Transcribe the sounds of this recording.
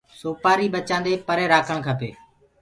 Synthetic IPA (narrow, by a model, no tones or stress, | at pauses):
soːpaːɾiːɓət͡ʃãːnd̪eːpəɾeːɾaːkʰəɳkʰəpḛː